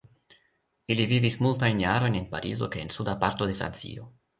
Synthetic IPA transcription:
ilivivismult̪ainjaːɾonenpaɾʔḭːzokeːnsud̪apaɾt̪od̪efɾa̰nt̪sḭːo

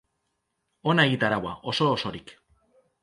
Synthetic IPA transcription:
o̞naeɣit̪aɾawaʔo̞so̞ːso̞ɾik

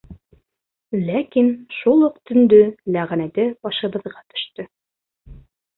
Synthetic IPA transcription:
lækinʃulˠuqt̪ɵ̆nd̪ɵlæʁænæd̪ɘbɒʃɤ̆bɤ̆ðʁɑt̪ɵ̥̆ʃt̪ɵ

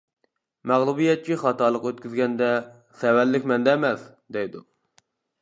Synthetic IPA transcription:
mæʁlˠubijɛt̪̚t͡ʃʰiχɑt̪ɑlˠəqøt̪̚kʲyzɡʲɛnd̪ɛ | sɛwæɾlːɪkʲmɛnd̪ɛmɛs | d̪ejd̪u

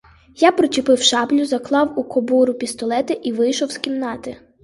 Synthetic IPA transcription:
japɾɔt͡ʃʲɪpɪwʃɑblʲʊzɐklˠɑwukɔbuɾʊpʲist̪ɔlˠɛt̪ɪʔiʋɪjʃɔwskʲinnɑt̪ɪ

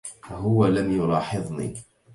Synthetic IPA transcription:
faɦʊwalamjʊlɑːħɪðˤnḭː

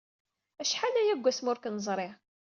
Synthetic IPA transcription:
æʃħalæjæɡʷːæsmʊɾkənəzˤɾˤeʁ

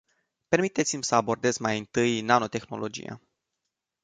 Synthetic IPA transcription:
pe̞rmit̪e̞t̪simʲsəabo̞rd̪e̞zmajɨnt̪ɨjnano̞t̪e̞xno̞̰lʔo̞d͡ʒḭja̰

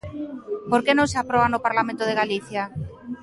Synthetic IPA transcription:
poɾkenõŋseapɾɔβanopaɾlamẽnt̪ʊð̞eɣaliθja

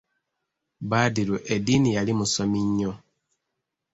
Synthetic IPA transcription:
baːdiɾuʔedinijalimusomiɲːo

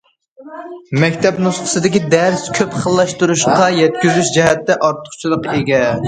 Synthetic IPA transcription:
mɛkʲt̪ʰɛpnusqʰə̥sɨd̪ɪkʲid̪æɾskʲʰøpχəlˠːɑʃt̪uɾuʃqɑjɛt̪̚kʲyzyʃd͡ʒɛɦɛt̪ːɛʔɑɾt̪ʰə̥χt͡ʃʰilˠəqeɡʲɛ

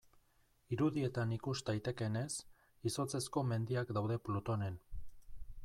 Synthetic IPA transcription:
iɾuðie̞t̪anikuzt̪ajt̪e̞ke̞ne̞s | iso̞t͡se̞sko̞me̞nd̪iakd̪awðe̞plot̪o̞ne̞n

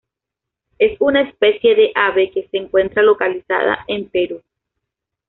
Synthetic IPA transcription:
e̞sunaespe̞sje̞ðe̞ʔaβe̞keseːŋkwe̞nt̪ɾalo̞kalisa̰ða̰ʔempeɾu

